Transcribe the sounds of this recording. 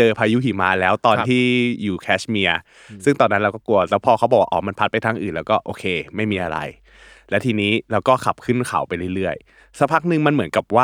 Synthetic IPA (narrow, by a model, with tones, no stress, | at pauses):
t͡ɕɤː˧pʰaː˧juː˦˥kʰiː˨˩˦maː˧˥lɛː˦˥wt̪ɔː˧nʰiː˥˩juː˨˩kʰɛː˦˥smi˧ɐ | sɯ˥˩ŋt̪ɔː˧nːa˦˥nɾa˧kɔː˥˩ku˧ɐlɛː˦˥wpʰɔː˧kʰa˦˥bɔ˨˩waː˥ʔːma˧npʰa˦t̪̚pa˧jt̪ʰaː˧ŋʔɯː˨˩nlɛː˦˥kɔː˥˩ʔoː˧˩kʰeː˧ma˥˩jmiː˧ʔa˧ɾa̰˧j | lɛ˦˥wt̪ʰiː˧niː˦˥ɾɛː˧wkɔː˥˩kʰa˨˩p̚kʰɯ˥˩nkʰa̰˩˦wpa˧jlɯ˥˩ɾɯ˥˩əj | sa˦˥pʰa˦˥k̚nɯ˧ŋma˧nmɯ˩˦ənka˨˩p̚waː˥˩